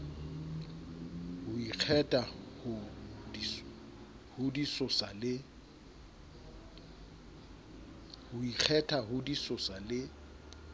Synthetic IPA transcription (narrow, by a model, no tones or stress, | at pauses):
hʊik͡xʰɛtʼahʊ | hʊdisɔsalɪ | hʊik͡xʰɛtʼahʊdisʊsalɪ